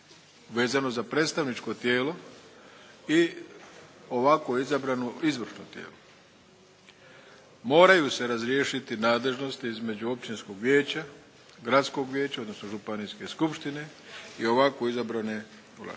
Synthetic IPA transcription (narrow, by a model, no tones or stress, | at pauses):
ʋe̞ːzano̞zapɾe̞ːt̪st̪aʋnit͡ʃko̞t̪jeːlo̞ | i | o̞ʋakoizabɾanoizʋr̩ʃno̰t̪jḛːlo | mo̞ːɾajuse̞ɾazɾjeːʃit̪inaːd̪le̞ʒno̞st̪iizme̞d͡ʑuo̞pt͡ʃinsko̞ɡʋjeːt͡ɕa | ɡɾat̪sko̞ɡʋʲjeːt͡ɕaod̪no̞sno̞ʒupaniske̞skupʃt̪ine̞ | io̞ʋakoizabɾane̞ | ula̰